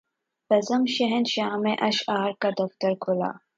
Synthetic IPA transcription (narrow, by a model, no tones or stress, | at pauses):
bɐzɐmʃɐɦenʃaːmeʔɐʃaːɾkad̪ɐft̪ɐɾkʰʊla̰ː